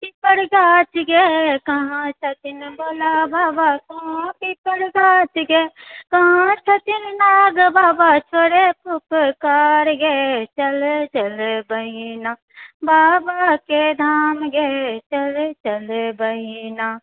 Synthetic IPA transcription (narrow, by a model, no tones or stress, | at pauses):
pipəɽɡaːt͡ʃɡekɐɦãt͡ʃʰɐt̪ɪnboːlabaːbakɐ̃ɦãpipəɽɡaːt͡ʃɡeːkɐɦãt͡ʃʰɐt̪ɪnnaːɡbaːbat͡ʃʰoːɽepʊkkaːɾɡet͡ʃəlet͡ʃəlebəɦinaː | baːbaked̪ʱaːmɡet͡ʃɐlet͡ʃɐlebəɦinaː